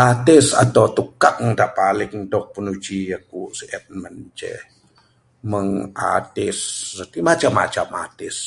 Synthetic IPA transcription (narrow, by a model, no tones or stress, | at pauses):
at̪ɪsa̰t̪awt̪ukaŋdaʔpalɪŋdɔk̚pənud͡ʒiakusiʔɛt̪̚mənt͡ʃɛ̰ | məŋʔa̰t̪ɪssət̪imat͡ʃama̰t͡ʃama̰t̪ɪs